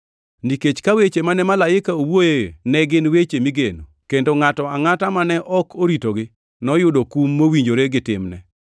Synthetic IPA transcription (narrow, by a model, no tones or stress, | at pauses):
niket͡ʃkawet͡ʃemanɛmalaɪkaowojenɛɡɪnwet͡ʃemiɡeno | kendoŋatɔaŋatamanɛʔɔkʰoɾitoɡɪ | nɔjʊdokumːowiɲd͡ʒoɾeɡɪtɪ̰mnɛ̰